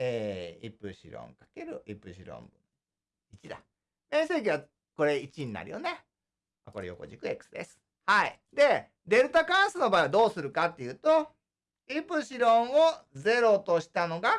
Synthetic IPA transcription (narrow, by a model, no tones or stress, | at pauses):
eːipɯ̟ɕḭɾõ̰ŋkḁke̞ɾɯ̟ʔipɯ̟ɕḭɾõ̰mbɯ̃n | it͡ɕiɾa̰ | mẽse̞ːkʲiβa | ko̞ɾe̞it͡ɕiɲ̟ina̰ɾɯ̟jo̞ne̞ | mako̞ɾe̞jo̞̰ko̞̰ʑikɯ̟ekɯ̟̥sɨd̪esɨ̥ | haḭ | d̪e̞ | d̪e̞ɾɯ̟t̪akãɰ̃sɨno̞baid̪o̞ːsɨɾɯ̟kat̪ːe̞jɯ̟ːt̪o̞ | ipɯ̟ɕiɾõ̞ɰ̃o̞ze̞ɾo̞t̪o̞ɕi̥t̪ano̞ɡa